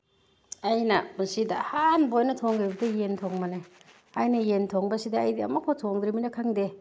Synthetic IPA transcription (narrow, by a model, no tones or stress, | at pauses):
ajnɐbusidɐhanbojnɐtʰoŋɡajbɐdɐjentʰoŋmɐne | ajnɐjentʰoŋbɐsidɐːjdiɐ̰mɐkʰotʰoŋd̪ɾiminɐkʰaŋde